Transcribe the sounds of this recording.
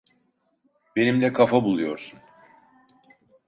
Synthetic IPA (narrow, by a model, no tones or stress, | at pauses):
be̞nimd̪ɛkʰafabulˠujo̞ɾsun